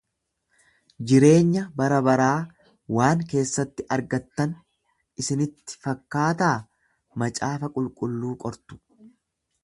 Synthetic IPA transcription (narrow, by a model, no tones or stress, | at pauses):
d͡ʒɪɾe̞ːɲːɐbɐɾɐbɐɾaː | waːŋke̞ːsːɐt̪ːɪʔɐɾɡɐt̪ːɐn | ɪsɪnɪt̪ːɪ̥fɐkːaːt̪aː | mɐt͡ʃʼaːfɐkʼʊlkʼʊlːuːkʼɔɾt̪ʊ̥